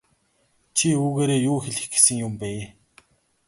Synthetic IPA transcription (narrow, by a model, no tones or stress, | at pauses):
t͡ɕʰiuːɣeːɾeːjʊːxeɮɘ̥̆xɡĕ̥sɘ̆ŋjʊmpæː